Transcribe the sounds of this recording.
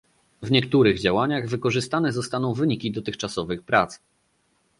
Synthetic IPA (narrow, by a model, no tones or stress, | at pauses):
vɲɛkt̪uɾɘɣd͡ʑawaɲaɣvɘkɔʐɘst̪anɛzɔst̪anɔ̃w̃vɘɲikʲid̪ɔt̪ɘxt͡ʂasɔvɘxpɾat̪s